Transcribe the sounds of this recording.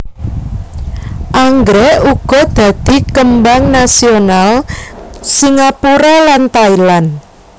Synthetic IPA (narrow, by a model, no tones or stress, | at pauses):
ʔaŋɡɾɛuɡ̥ɔ̤d̪̥a̤d̪̥i̤kəmbaŋnasional | siŋapuɾalant̪ailan